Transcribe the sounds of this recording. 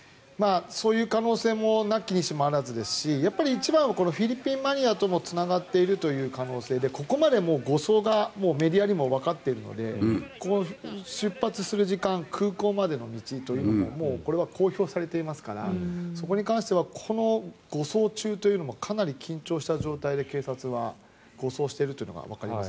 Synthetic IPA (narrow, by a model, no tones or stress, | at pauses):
maːso̞ːjɯ̟ːkano̞ːse̞ːmo̞nakʲːiɲ̟iɕimoaɾazɨd̪e̞sɨ̥ɕijapːaɾʲiːt͡ɕibãɰ̃ako̞no̞ɸʲiɾʲipʲːĩmːaɲ̟iat̪o̞mo̞t͡sɨnaɡat̪ːe̞iɾɯ̟t̪o̞jɯ̟ːkano̞ːse̞ːd̪e̞koko̞mad̪e̞mo̞ːɡo̞so̞ːɡamo̞ːme̞ɾʲiaɾʲimo̞βakat̪ːe̞iɾɯ̟no̞̰d̪e̞̰ko̞noɕɨpːat͡sɨsɨɾɯ̟ʑikãŋkʰɯ̟ːko̞ːmad̪e̞no̞mʲit͡ɕit̪o̞jɯ̟ːno̞momo̞ːko̞ɾe̞βako̞ːço̞ːsaɾe̞t̪e̞imasɨ̥kaɾa̰so̞ko̞ɲ̟ikãɰ̃ɕi̥t̪e̞βakʰo̞no̞ɡ̥o̞so̞ːt͡ɕɨːt̪o̞jɯ̟ːno̞mo̞kʰanaɾʲikʲĩɲ̟t͡ɕo̞ːɕi̥t̪aʑo̞ːt̪aid̪e̞ke̞ːsat͡sɨβa | ɡ̥o̞so̞ːɕi̥t̪e̞iɾɯt̪o̞iɯ̟noɡa̰βa̰kaɾʲimas